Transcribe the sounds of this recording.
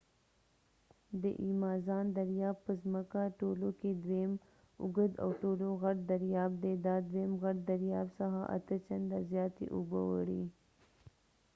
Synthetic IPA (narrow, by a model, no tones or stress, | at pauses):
d̪ə̰ʔimɑzɑːnd̪aɾjɑːbpəzməkaʈoloked̪wem | ʊ̰ɡəd̪a̰wʈoloɣaʈ̚d̪aɾjɑːb̚d̪ed̪ɑd̪wemɣaʈd̪aɾjɑbsaɦaʔa̰t̪ət͡ʃand̪azjɑːt̪ḛʔʊbəwəɽḭ